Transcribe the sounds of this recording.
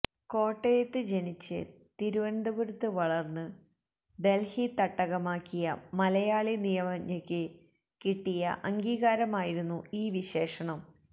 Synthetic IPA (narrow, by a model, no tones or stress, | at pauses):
ko̞ːʈːejɐt̪ːɨd͡ʑeɳit͡ɕːɨ̰ | t̪iɾuʋɐnd̪ɐɣuɾut̪ːɨʋɐɭɐrnːɨ | be̞lhit̪ɐʈːɐɣɐmaːkːijɐmɐlɐjaːɭinijɐmɐɲːɐkʲːɨ | kiʈːijɐ̰ʔɐŋɡiːɣaːɾɐmaːjiɾunːuiːʋiɕe̞ːʂɐɳɐm